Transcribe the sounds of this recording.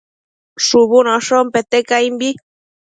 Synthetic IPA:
ʂuβunoʂompet̪ekajmbi

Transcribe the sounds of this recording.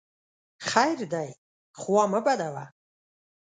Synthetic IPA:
χajrd̪aj | χwaməbad̪ava̰

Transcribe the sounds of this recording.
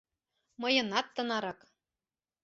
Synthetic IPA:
mɤjɤ̆nɑt̪ːɤ̆nɑɾɑk

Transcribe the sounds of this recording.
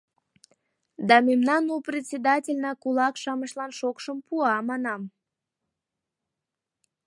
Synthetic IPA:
d̪ɑmemnɑnuprʲet̪ʲt͡sʲed̪ɑtʲelʲnɑkulɑkʃɑməʃlɑnʃokʃəmpuɑmɑnɑm

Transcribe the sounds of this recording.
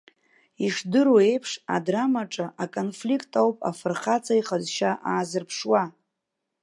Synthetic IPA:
iʂdɨɾoejpʰʂa̰dramaʈ͡ʂʼaʔakʼonflikʰʼtʰʼawpʼa̰fɨrχat͡sʰʼaiχazʃaʔaːzɨrpʰʂwa

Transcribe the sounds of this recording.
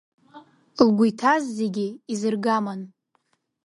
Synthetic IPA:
lɡʷʊjtʰazːeɡʲɪizɨrɡaman

